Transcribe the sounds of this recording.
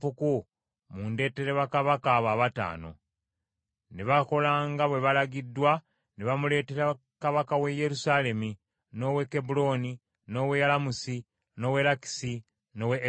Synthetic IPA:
fuku | munde̞ːte̞ɾeβakaβakaːβaːβata̰ːno̞̰ | neβako̞laːŋɡaβwe̞βalaɡidːwa | neβamule̞ːteɾa | kaβakawe̞je̞ɾusale̞mi | no̞wekːebulo̞ni | no̞wejalamusi | no̞we̞laki̥si | no̞we

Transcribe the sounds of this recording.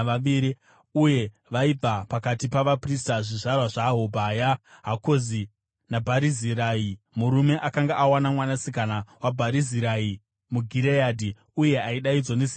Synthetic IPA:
ʋaiɾi | uje̞ | ʋaib͡vapakatipaʋapristaʐiʐarwaʐaɦobʱajaɦako̞zi | nabʱaɾiziɾai | muɾume̞ʔakaŋɡaʔawanamwanasikanawabʱaɾiziɾai | muɡʱiɾejadʱi | uje̞aiɗaid͡zonesi

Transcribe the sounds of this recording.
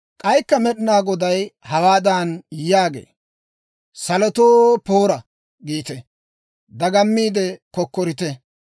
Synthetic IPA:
kʼɐjkːɐmɛɗɪnaːɡɔd̪ɐjhɐwaːd̪aːnjaːɡḛː | sɐlɔt̪oːpoːɾɐ | ɡiːt̪ɛ | d̪ɐɡɐmːiːd̪ɛkɔkːɔɾɪt̪ɛ

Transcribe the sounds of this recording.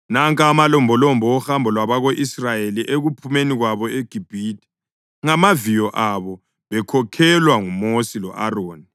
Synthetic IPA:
naŋkʼamalɔmbʱɔlɔmbʱɔːhambʱɔlwaβaɣoʔisrajeliʔeɣupʰumeniɣwaβɔeɡ̥ʱib̥ʱiːti̥ | ŋamavijɔʔaβɔ | βɛkʰɔkʰɛlwaŋumosilɔ̰ʔaroːni

